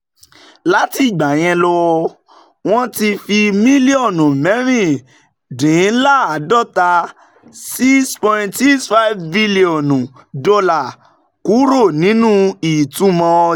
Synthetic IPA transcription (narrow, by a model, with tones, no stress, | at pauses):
la˦ti˦˨ɡ͡ba˨j̃ɛ̃˧lɔ˧wɔ˧ | w̃ɔ̃˦ti˧fi˧mĩ˦li˦ɔ˦˨nũ˨mɛ̃˨˦ɾ̃ĩ˦˨ | dĩ˨˦la˦˨a˨dɔ˦˨ta˧ | si˦kspɔ̃˧ĩ˧ti˦sfa˦vbi˦li˦ɔ˨nũ˨ | dɔ˧la˨ | ku˨˦ɾo˦˨nĩ˨˦nũ˦i˨tu˨˦mɔ̃˧